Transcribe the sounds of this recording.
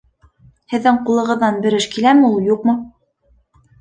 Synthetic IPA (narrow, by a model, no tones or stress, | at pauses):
hɘ̆ðːɘŋqulˠɤ̆ʁɤ̆ðːɑnbɘ̆ɾɘʃkilæmɘulˠjuqmɤ